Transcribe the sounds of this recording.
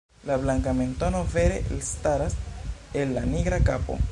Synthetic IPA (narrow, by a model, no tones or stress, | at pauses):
lablaŋkame̞ntono̞ve̞ɾeʔelstaɾaselːaniɡɾakapo̞̰